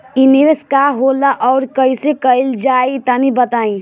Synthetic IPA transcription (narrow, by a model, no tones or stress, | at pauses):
iniɾəskaɦolaʔɔːɾkəisekəɪld͡ʒait̪anibət̪aːĩ